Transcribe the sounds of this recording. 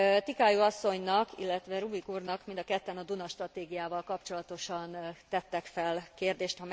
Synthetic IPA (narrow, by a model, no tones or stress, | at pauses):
t̪ikaːjuɒsːo̞ɲnɒkḭlːɛt̪ʋɛɾubikuːrnɒkmind̪ɒkɛt̪ːɛnɒd̪unɒʃt̪rɒt̪eːɡijaːvɒlkɒpt͡ʃo̞lɒt̪o̞ʃɒnt̪ɛt̪ːɛkfɛlkeːrd̪eːʃt̪hɒm